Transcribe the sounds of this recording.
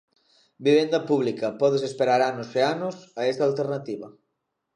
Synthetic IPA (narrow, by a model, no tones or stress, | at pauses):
biβ̞end̪ɐpuβ̞likɐpɔðesespeɾaɾanoseanosaest̪alt̪eɾnat̪iβɐ